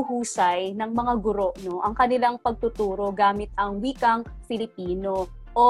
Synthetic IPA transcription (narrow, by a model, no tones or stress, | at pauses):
ʊhuːsɐjnɐŋmɐŋaɡʊɾo̞ʔno̞ʔɐŋkɐnɪlaŋpɐɡ̚t̪ʊt̪uːɾo̞ɡaːmɪt̪̚ɐŋwiːkɐŋ | fɪlɪpiːno̞ | ʔo